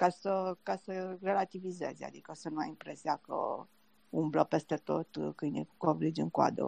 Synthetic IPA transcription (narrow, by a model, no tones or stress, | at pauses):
kasəkasəre̞lat̪ivize̞̰za̰d̪ikəosənuajimpɾe̞siakə̰ | umbləpe̞st̪e̞t̪o̞̰t̪kɨnḛukovɾid͡ʒɨŋka̰d̪ə̰